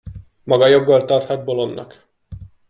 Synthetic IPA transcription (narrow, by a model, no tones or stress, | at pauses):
mɒɡɒjo̞ɡːolt̪ɒrt̪hɒd̪̚bolonːɒ̰k